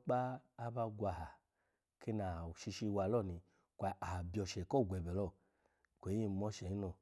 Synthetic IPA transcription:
k͡paː˦ba˧ɡʷa˧˨ha˨ | ke˦na˨ʃi˧ʃi˧wa˨lɔ˦˨ni˨ | kʷa˧˨a˨ha˨bi˦ɔ˧˨ʃɛ˨kɔ˦˨ɡʷɛ˨bɛ˨lɔ˦˨ | kʷe˨˦i˦˨˦mɔ˧˦ʃɛ˨i˦nɔ˧˨

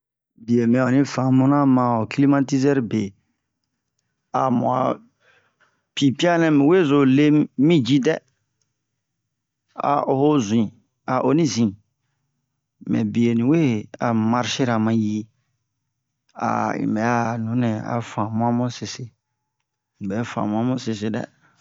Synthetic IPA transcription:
bi˨e˨mɛ̃˨ɔ˨nĩ˦fã˨mũ˦nã˦mã˨ɔ˨kli˦mã˦ti˦zɛ˦ɾbe˨ | a˨mṵ̃˨a̰˨ | pi˨pi˦a˦nɛ̃˦mɛ̃˨we˦˨zo˨le˦mĩ˦d͡ʒi˦dɛ˦ | a̰˨o˨ho˦zu˨ĩ˨ | a˨ʔo˨nĩ˦zĩ˨ | mɛ̰˨bi˨e˨nĩ˨we˦a˨mã˨ɾʃɪ˦ɾa˨mã˨ji˦ | a̰˨ɲḭ̃˨bɛ˨˦a˦˨nũ˨˦nɛ̃˨a̰˨fã˨mʊ̃˦ã˦mʊ̃˦sɪ˨sɪ˦ | ɲĩ˨bɛ˨˦fã̰˨mʊ̃˦ã˦mʊ̃˦sɪ˨sɪ˦dɛ̰˦˨

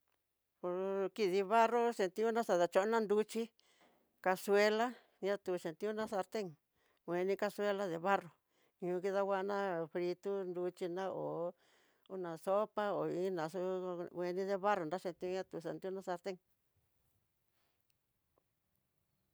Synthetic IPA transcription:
po˧ɾki˧ði˧βa˦ro˦ʃe˧nt̪ĩ˦ũ˦nã˦sa˧ða˧t͡ʃo˧˦nã˦˧nd̪u˧t͡ʃi˦ | ka˧swe˧la˦ | ɲã˦t̪u˧˨ʃe˨nt̪i˦ũ˦nã˦sa˧ɾt̪e˦ŋ | wʷe˧nĩ˧ka˧swe˦la˦ðe˧βa˦ro˨ | ɲũ˧ki˧ða˧wʷa˦˧nã˦fɾi˧t̪u˦nd̪u˧t͡ʃi˧nã˦o˨ | u˦nã˨so˦pa˦o˨i˦nã˨˧so˦˧e˧nĩ˦ðe˧βa˦ro˨nda˦ʃe˧nt̪ĩ˧˦ũ˦˧ɲã˦t̪u˧˨sa˨nt̪i˦u˦nã˦sa˧ɾt̪e˦ŋ

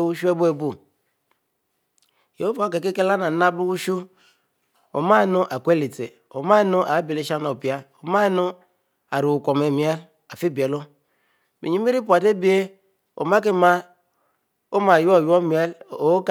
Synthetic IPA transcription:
wu˦ʃu˦e˦bu˦e˦bu˦˨ | jo˨˦o˦vo˦˨ke˨k̬e˦ke˦la˦na˨na˦blu˦wu˦ʃu˦ | o̰˨ma˦˨nu˦ʔa˨kʷe˦li˨tḛ˨ | o˨ma˦nu˦ʔa˨˦bi˨le˦ʃa˦no˨pi˨a˦o˨ma˦nu˦ | a˨ɾu˨u˨kʷo˨me˨mi˨e˦l | a˨fi˦be˨lo˦ | mi˨i˦i˦ɾi˦pu˨a˨te˦bi˦e˦ | o̰˨ma˦k̬i˦ma˦ | o˦ma˨jo˦˨jo˦mi˦e˦lo˨˦k

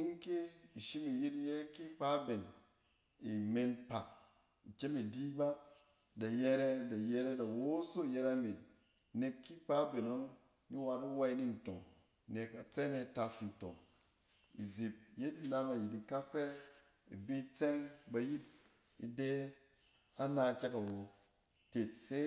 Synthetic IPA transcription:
i˦ŋ˦ke˦i˨ʃi˦mi˨ji˦ti˦je˦ki˦pa˦be˨n | i˨me˧npa˨k | i˨t͡ʃe˦mi˨di˦ba˦ | da˨je˧ɾe˦da˨je˧ɾe˦da˨wo˦so˦˨je˧ɾa˦mbi˨ | ne˧kːi˦pa˦be˨no˦n | ni˦wa˧ɾi˦wa˦i˦ni˦n̩˨to̰˨ŋ˨ | ne˨ka˨t͡se˦ne˦˨ta˨si˨n̩˨to̰˨ŋ | ḭ˨zi˨p̚je˦di˦na˦ma˨ji˨ti˨ka˦fe˦ | ḭ˨bi˦t͡se˦ŋba˨ji˦t̚ḭ˨de˦ | a˦na˧˨ke˦ka˨wo˨ | te˨t̚se˦

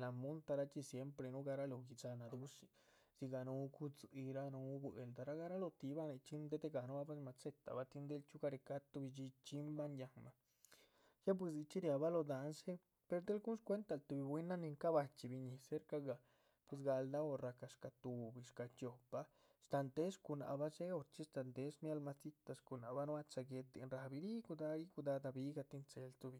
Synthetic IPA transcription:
la˨mu˦nt̪a˧ɾa˦t͡ʃi˧sje˦mpɾe˧nu˦ɡa˧ɾa˦lo˨ɡi˧t͡sa˧na˨d̪u˦ʂi̥˧ | si˧ɡa˧nu˧˦˧ku˦t͡su˧i˧ɾa˦nu˧˦be˨ld̪a˧ɾa˦ɡa˦ɾa˦lo˧t̪i˧ba˦ne˧t͡ʃi˦nd̪e˦t̪e˦˧ɡa˨nu˦ba˦pwe˧sma˧t͡se˦t̪a̰˨ba˧t̪i˧nd̪e˦lt͡ʃu˦ka˧ɾe˧ka˦t̪u˧bi˧t͡ʃi˧t͡ʃi˦mba˦nja˧ŋma˨ | ja˦p̬we˧s̬di˧t͡ʃi˦ɾja˨βa˦lo˧d̪a˨nse˦ | pe˧ɾd̪e˦lɡu˦skʷe˦nt̪a˧˨lt̪u˧bi˧bwi˦na˦ni˧ŋka˦ba˧t͡ʃi˧˨bi˧ɲi˧˨se˦ɾka˧ɡa˧˨ | pwe˧s̬ɡa˧ld̪a˦o˧ɾa˨ka˧ʂka˧t̪u˨bi˧˨ʂka˧t͡ʃo˨pa˧ | st̪a˧nt̪e˦ʂku˧na̰˧ba˦se˦o˧ɾt͡ʃi˦st̪a˧˨nt̪e˦smja˦lma˧t͡si˦t̪a˧sku˧˨na˨ba˦nu˦a˦t͡sa˧ɡe˧t̪e˧nɾa˨bi˧ɾi˦ku˧d̪a˧ɾi˦ku˧d̪a˧d̪a˧bi˦ɡa˧t̪i˦˧nt͡se˧lt̪u˧bi˧

